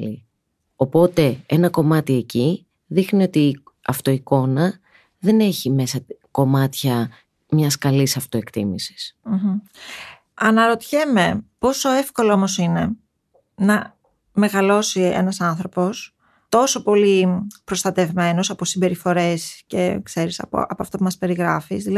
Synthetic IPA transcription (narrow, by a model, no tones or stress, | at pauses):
i | o̞po̞t̪e̞enɐko̞mɐt̪ieci | ðixniot̪i | ɐft̪o̞iko̞nɐ | ðe̞ne̞çime̞sɐko̞mɐt̪çɐ | mɲɐskɐlisɐft̪o̞ekt̪ḭmisi̥sm̩ | ɐnɐɾo̞t̪çe̞me̞po̞so̞e̞fko̞loomo̞sine̞ | nɐ | me̞ɣɐlo̞sie̞̰nɐsɐnθɾo̞po̞s | t̪o̞so̞po̞lipɾo̞st̪ɐt̪e̞vme̞no̞sɐposibe̞ɾifo̞ɾe̞sce̞̰kse̞ɾisɐ̰pɐpoɐft̪opumɐspe̞ɾiɣɾɐfisðiɐ